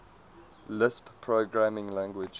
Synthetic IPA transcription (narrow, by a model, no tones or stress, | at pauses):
lɪsppʰɹoɡɹamɪ̃ŋlæ̃ŋɡwɪd͡ʒ